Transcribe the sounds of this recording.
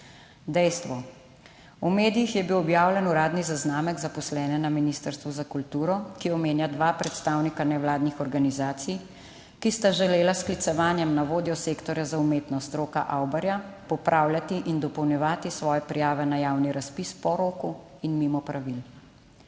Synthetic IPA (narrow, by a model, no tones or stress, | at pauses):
d̪ɛjst̪ʋɔ | umeːd̪ijixjɛbiwɔbjaːwlɛnuɾaːd̪nizaznaːmɛɡzapɔslɛːnɛnaminist̪əɾst̪ʋuzakult̪uːɾɔkiɔmeːnjad̪ʋaːpɾɛt̪st̪aːwnikanɛʋlaːd̪nixɔɾɡanizaːt̪sij | kist̪aʒɛleːlasklit̪sɛʋaːnjɛmnaʋoːd̪jɔseːkt̪ɔɾjazaumeːt̪nɔst̪ɾoːka̰ʔawbɛɾjapɔpɾʔaːwlʲjat̪iʔind̪ɔpɔwnjɛʋaːt̪isʋɔːjɛpɾijaːʋɛnajaːwniɾaspispɔɾoːkuinmimɔpɾaʋil